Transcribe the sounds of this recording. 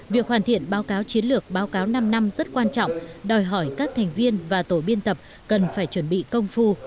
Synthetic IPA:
vi˨˩ək̚hwaː˧˩nt̪ʰḭ˧˨ənɓaː˨˦wkaː˨˦wt͡ɕi˨˦ənlɨ˨˩ək̚ɓaː˨˦wkaː˨˦wna˧mna˧mzə˦˥t̚kwaː˧nt͡ɕɔ̰˧˨wŋ͡mɗɔ˨˩jɦɔ˧˩jkaː˦˥k̚t̪ʰɛ˨˩jŋ̟vi˧ənvaː˨˩t̪o˧˩ɓi˧ənt̪ə˨˩p̚ | kə˨˩nfaː˧˩jt͡ɕwə˧˩nɓḭ˧˨kə˧wŋ͡mfu˧

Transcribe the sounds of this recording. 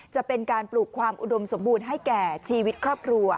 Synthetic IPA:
t͡ɕa˨˩pe˧nkaː˧npluː˨˩kʰwaː˧mʔu˨do˧mso˩˦mbuː˧nɦa˥˩jkɛː˨˩t͡ɕʰiː˧wi˦˥t̪̚kʰɾɔː˥˩p̚kʰɾu˧ɐ

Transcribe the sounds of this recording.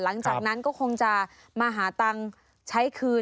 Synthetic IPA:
la˩˦ŋt͡ɕaː˨˩k̚na˦˥nkɔː˥˩kʰo˧ŋt͡ɕa˨˩ | maː˧ɦaː˩˦t̪a˧ŋ | t͡ɕʰa˦˥jkʰɯː˧

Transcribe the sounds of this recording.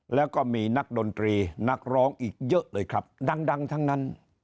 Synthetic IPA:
lɛː˦˥wkɔː˥˩miː˧na˦˥k̚do˧nt̪ɾiː˧na˦˥k̚ɾɔː˦˥ŋʔiː˨˩k̚jɤ˦˥ʔlɤː˧jkʰɾa˦˥p̚da˧ŋda˧ŋt̪ʰa˦˥ŋna˦˥n

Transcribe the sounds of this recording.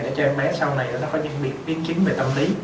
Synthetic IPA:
ɗa̰ː˧˥t͡ɕɔ˧ʔɛ˧ŋɓɛ˨˦˥sa˧wna˨˩jʔaː˨˩nɔ˨˦kɔ˨˦ɲɨ̰˧˨ŋɓḭ˧˩ən̚ɓi˨˦ənt͡ɕi˨˦ŋve˨˩t̪ə˧mli˨˦

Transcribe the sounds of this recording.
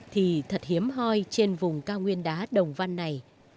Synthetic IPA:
t̪ʰi˨˩t̪ʰə˨˩t̚hi˨˦əmɦɔ˧jt͡ɕe˧nvʊ˨˩ŋ͡mkaː˧wŋwi˧ənɗaː˨˦ɗə˨˩wŋ͡mva˧nːa˨˩j

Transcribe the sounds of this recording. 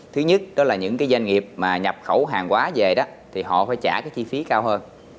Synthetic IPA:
t̪ʰɨ˨˦ɲə˦˥t̚ɗɔ˨˦laː˨˩ɲɨ̰˧˥ŋkaː˨˦jza˧jŋ̟ŋi˨˩əp̚maː˨˩ɲa˨˩p̚xə˧˩wɦaː˨˩ŋkwaː˨˦ve˨˩ɗɔ˨˦ | t̪ʰi˨˩ɦɔ̰˧˨faː˧˩jt͡ɕaː˧˩kaː˨˦jt͡ɕi˧fi˨˦kaː˧whəː˧n

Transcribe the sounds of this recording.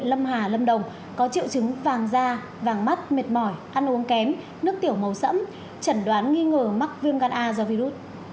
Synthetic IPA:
lə˧mɦaː˨˩lə˧mɗə˨˩wŋ͡m | kɔ˨˦t͡ɕḭ˧˨wt͡ɕɨ˨˦ŋvaː˨˩ŋzaː˧ | vaː˨˩ŋma˦˥t̚me˨˩t̚mɔ˧˩jʔa˧nʔu˨˦əŋkɛ˨˦m | nɨ˦˥ək̚t̪i˧˩əwmə˨˩wsə̰˧˥m | t͡ɕə˧˩nɗwaː˨˦nŋi˧ŋəː˨˩ma˦˥k̚vi˧əŋɣaː˧nʔaː˧zɔ˧vi˧zu˦˥t̚

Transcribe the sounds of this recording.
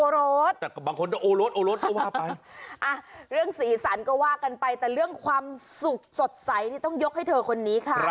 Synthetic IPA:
ʔoː˧ɾoː˦˥t̪̚t̪ɛː˨˩baː˧ŋkʰo˧nt͡ɕa˧˩ʔoː˧loː˦˥t̪̚ʔoː˧loː˦˥t̪̚ɔː˥˩waː˥˩pa˧jʔa˧˩ɾɯ˥˩əŋsiː˩˦sa˩˦nkɔː˥˩waː˥˩ka˧npa˧jt̪ɛː˨˩ɾɯ˥˩əŋkʰwaː˧msu˨˩k̚so˨˩t̪̚sa˩˦jt̪ʰiː˥t̪ɔ˥˩ŋjo˦˥k̚ha˥˩jt̪ʰɤː˧kʰo˧nːiː˦˥kʰa˥˩˦

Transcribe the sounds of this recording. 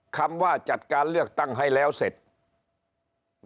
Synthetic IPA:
kʰa˧mʋaː˧˩t͡ɕa˨˧˩t̪̚kaː˧nlɯ˥˩ək̚t̪a˥˩ŋɦa˧˩jlɛː˦˧˥wse˨˩t̪̚

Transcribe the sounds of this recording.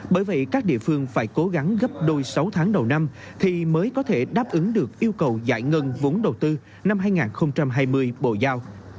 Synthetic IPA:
ɓəː˧˩jvə̰˧˨jkaː˦˥k̚ɗḭ˧˨əfɨ˧əŋfaː˧˩jko˨˦ɣa˨˦ŋɣə˦˥p̚ɗo˧jsa˨˦wt̪ʰaː˨˦ŋɗə˨˩wna˧m | t̪ʰi˨˩məː˨˦jkɔ˨˦t̪ʰe˧˩ɗaː˦˥p̚ʔɨ˨˦ŋɗɨ˨˩ək̚ʔi˧əwkə˨˩wza̰ː˧˩jŋə˧nvo˨˦nɗə˨˩wt̪ɨ˧ | na˧mɦaː˧jŋaː˨˩nxə˧wŋ͡mt͡ɕa˧mɦaː˧jmɨ˧əjɓo̰˧˨zaː˧w

